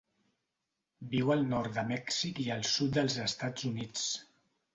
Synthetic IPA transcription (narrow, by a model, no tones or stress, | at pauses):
biwəlˠnɔɾt̪d̪əmɛksikiəlˠsut̪̚d̪əlˠzəst̪ad͡zunit͡s